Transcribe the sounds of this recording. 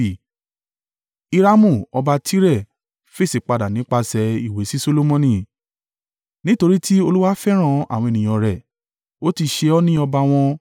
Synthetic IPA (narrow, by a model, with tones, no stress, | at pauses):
i˧ɾa˦mũ˦˨ɔ˧ba˧tʰi˦ɾɛ˦˨ | fe˦˨si˨k͡pa˧˨da˨nĩ˨˦k͡pa˧sɛ˧i˨we˨˦si˦so˦lo˦mɔ̃˧˦nĩ˦˨ | nĩ˦to˧ɾi˦tʰi˦o˧lu˦wa˦fɛ˦ɾ̃ã˦˨a̰˨w̃ɔ̃˧e˨nĩ˨j̃ɔ̃˧ɾɛ˨ | o˦ti˧ʃe˧ɔ˦nĩ˦ɔ˧ba˧w̃ɔ̃˧